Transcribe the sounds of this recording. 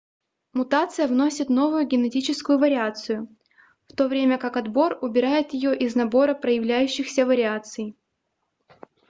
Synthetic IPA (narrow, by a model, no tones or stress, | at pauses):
mʊt̪at̪sɨjəvno̞sʲɪt̪no̞vʊjʊɡʲɪnɛtʲit͡ɕɪskʊjʊvəɾʲɪat̪sɨjʊ | ft̪o̞vɾʲemʲəkakɐd̪bo̞rʊbʲɪɾajɪt̪jɪjo̞ʔɪznɐbo̞ɾəpɾəjɪvlʲæjʉɕːɪxsʲəvəɾʲɪat̪sɨj